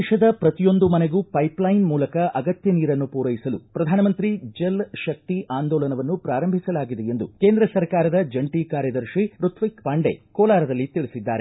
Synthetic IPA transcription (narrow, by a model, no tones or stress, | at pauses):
ʃɐd̪ɐpɾɐt̪ijo̞nd̪umɐneɡupɐjplɐjnmuːlɐkɐʔɐɡɐt̪jɐniːɾɐnːupuːɾɐjisɐlupɾɐd̪ʱaːnɐmɐnt̪ɾid͡ʒelʃɐk̚t̪iʔaːnd̪ɔːlɐnɐʋɐnːupɾaːɾɐmbʱisɐlaːɡid̪eend̪ṵkeːnd̪ɾɐsɐɾkaːɾɐd̪ɐd͡ʒɐɳʈikaːɾjɐd̪ɐɾʃiɾut̪ʰʋikpaːɳɖḛkɔːlaːɾɐd̪ɐlːit̪iɭisid̪ːa̰ːɾe